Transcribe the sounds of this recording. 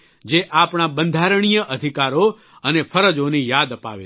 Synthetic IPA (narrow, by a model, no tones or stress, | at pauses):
d͡ʒeʔapɳabənd̪ʱaɾəɳ̃ijəʔəd̪ʱikaɾo | ənepʰəɾəd͡ʒonijad̪əpa̰ʋḛ